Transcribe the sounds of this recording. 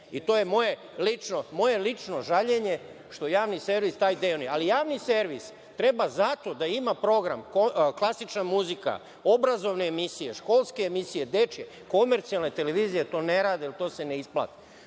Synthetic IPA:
it̪o̞ːje̞mo̞je̞ | lit͡ʃnomo̞je̞lit͡ʂnoʒaʎe̞ɲe̞ | ʃt̪ojaːʋnise̞ɾʋist̪aːjd̪eːonujealijaːʋnise̞ɾʋis | t̪ɾe̞bazat̪o̞d̪aimapɾo̞ɡɾa̰mkoklˠasit͡ʃnamuzika̰ | o̞bɾazo̞ʋne̞ːmisije̞ʃko̞ːlˠskeːmisije̞d̪e̞t͡ʃje | ko̞meɾt̪sialne̞t̪eleʋizijet̪o̞ːne̞ɾaːd̪eilt̪o̞ːse̞neispla̰t̪i̥

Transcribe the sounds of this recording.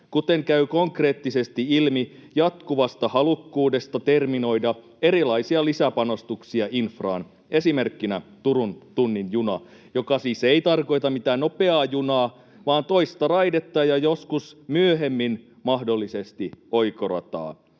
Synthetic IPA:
kut̪e̞ŋkæykoŋkre̞ːt̪ːise̞st̪iilmijɑt̪kuʋɑst̪ɑhɑlukːuːde̞st̪ɑt̪ermino̞idɑ | e̞ɾilɑisiɑlisæpɑno̞st̪uksiɑʔinfrɑ̰ːn | e̞sime̞rkːinæ̰t̪uɾunt̪unːinjunɑ̰jo̞kɑsiːseit̪ɑrko̞jt̪ɑmmit̪æːnopeɑːjunɑː | ʋɑːnt̪o̞ist̪ɑrɑjdet̪ːɑːjɑjoskusmyøɦemːin | mɑhdolːise̞st̪io̞jkorɑ̰t̪ɑ̰ː

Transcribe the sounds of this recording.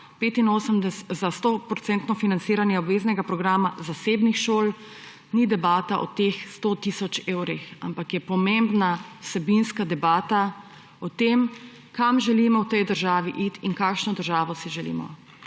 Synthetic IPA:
peːt̪inoːsəmd̪ɛszast̪opɾɔt̪sɛnt̪nɔfinant̪siːɾanjɛɔbʋeːznɛɡapɾɔɡɾaːmazaseːbnixʃoːl | nid̪ɛbaːt̪aʔɔ̰t̪exst̪ot̪iːsɔt͡ʃeːwɾixa̰mpakjɛpɔmembnawsɛbinskad̪ɛbaːt̪a | ɔt̪em | kamʒɛlimɔwt̪ɛjd̪əɾʒaːʋiʔit̪inkaːkʃnɔd̪əɾʒaːʋɔsiʒɛlḭːmɔ̰

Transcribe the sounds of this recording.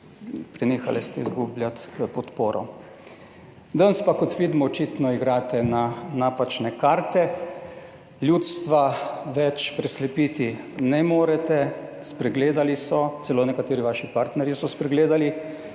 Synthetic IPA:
pɾɛneːxa̰lɛst̪ɛizɡublʲjat̪pɔt̪poːɾɔ̰ | d̪ənspakɔt̪ʋiːd̪mɔːt͡ʃiːt̪nɔiɡɾaːt̪ɛnanaːpat͡ʃnɛkaːɾt̪ɛ | ljut̪st̪ʋaʋɛt͡ʃpɾɛslɛpiːt̪i | nɛmoːɾɛt̪ɛ | spɾɛɡleːd̪alisɔt̪sɛloːnɛkat̪eːɾiʋaːʃipaɾt̪nɛɾjisɔspɾɛɡleːd̪ali

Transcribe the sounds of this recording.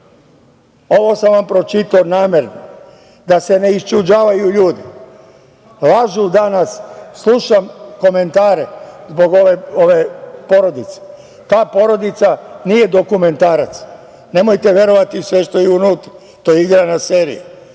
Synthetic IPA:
o̞ʋo̞samʋampɾo̞t͡ʃit̪onaːmjeɾno̰ | d̪ase̞ne̞ist͡ʃud͡ʒaːʋajuʎuːd̪i | lˠaʒud̪anasːlˠuʃamko̞me̞nt̪aːɾezbo̞ɡo̞ʋe̞o̞ʋe̞po̞ɾo̞d̪it̪se̥ | t̪aːpo̞ɾo̞d̪it̪sanije̞d̪o̞kume̞nt̪aːɾat̪s | ne̞mo̞jt̪eʋje̞ɾo̞ʋat̪isʋeʃt̪o̞jeunuːt̪ɾa | t̪ojeiɡɾanaseːɾḭju

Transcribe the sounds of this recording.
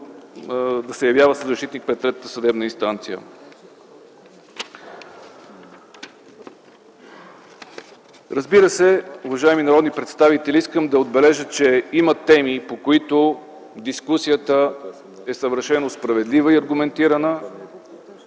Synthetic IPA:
d̪ɐsɛjɐvjavəsəzːɐʃt̪it̪nik̚pɾɛt̪ːɾɛt̪ːət̪əsɐd̪ɛbnəinst̪ant̪sijə̰ | ɾəzbiɾəsɛʊvɐʒaɛminɐɾɔd̪nipɾɛt̪st̪avit̪ɛliiskəmd̪ɐod̪bɛlɛʒət͡ʃɛimət̪ɛmipokoit̪o | d̪iskusijət̪ə | ɛsəvəɾʃɛnospɾɐvɛd̪livəiɐɾɡʊmɛnt̪iɾənə

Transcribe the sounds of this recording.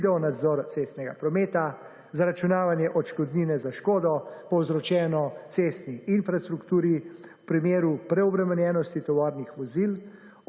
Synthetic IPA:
d̪ɛɔnad̪zɔɾt̪seːst̪nɛɡapɾɔmeːt̪a | zaɾat͡ʃunaːʋanjɛʔɔt͡ʃkɔd̪niːnɛzaʃkɔːd̪ɔpɔwzɾɔt͡ʃɛːnɔt̪seːst̪niinfɾast̪ɾukt̪uːɾiwpɾimeːɾupɾɛɔbɾɛmɛnjɛːnɔst̪it̪ɔʋɔːɾnixʋɔzil

